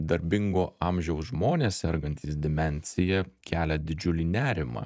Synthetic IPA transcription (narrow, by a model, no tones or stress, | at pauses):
d̪ɐɾʲbʲɪŋɡoːɑmʲʒʲɛʊsʒmoːnʲeːssʲɛɾɡɐnʲt̪ʲiːsd̪ʲɪmʲɛnʲsʲɪjɛkʲæːlʲɛd̪ʲɪd͡ʒʲʊlʲiːnʲæːɾʲɪmɑ̰ː